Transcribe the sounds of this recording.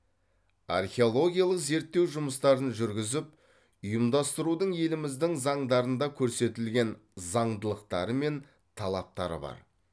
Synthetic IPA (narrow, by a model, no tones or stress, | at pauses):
ɑ̰rχʲeo̞lˠo̞ɡʲijalˠəqze̞ɾt̪ːe̞wʒʊməst̪ɑɾənʒʏɾɡʲɪzɪp̚ | ʊjəmd̪ɑst̪əɾud̪əɴje̞lɪmɪzd̪ɪŋzɑɴd̪ɑɾənd̪ɑkʲʰɵɾse̞t̪ɪlɡʲe̞n | zɑɴd̪əlˠəqt̪ɑ̰ɾəme̞n | t̪ʰɑlˠɑp̚t̪ɑɾə̰bɑ̰ɾ